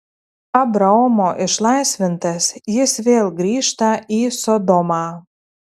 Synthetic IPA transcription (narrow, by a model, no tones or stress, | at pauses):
abɾaomoʔɪʃlˠɑjsvʲɪnt̪ɐsjɪsvʲeːlˠɡɾʲiːʃt̪ɐisod̪omɑː